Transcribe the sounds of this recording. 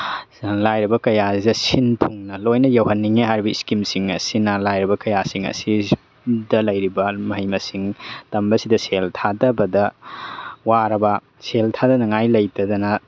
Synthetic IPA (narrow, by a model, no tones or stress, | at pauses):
lajɾɐbɐkɐjadɐsintʰuŋnɐlojnɐjɐwɦɐnːiŋeɦajɾibɐiskimsiŋɐsinɐlajɾɐbɐkɐjasiŋɐ̰si | dɐlɐjɾibɐmɐɦɐjmɐsiŋtɐmbɐsidɐseltʰadɐbɐdɐ | waɾɐbɐ | seltʰadɐnɐŋajlɐjtɐdɐnɐ